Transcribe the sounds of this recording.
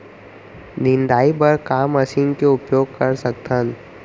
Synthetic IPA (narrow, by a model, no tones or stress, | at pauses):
nɪ̃nd̪aːipɐɾkaːmɐsinkeʊpjoːɡ̚kɐɾsɐk̚t̪ən